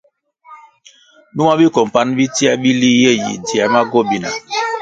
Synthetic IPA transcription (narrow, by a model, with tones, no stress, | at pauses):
nu˦ma˦bi˦kɔ˨m˨pa˦n˦bi˦ti˦a˦bi˦li˦je˦˨jḛ˨di˨a˨ma˦ɡo˦˨bi˦na̰˨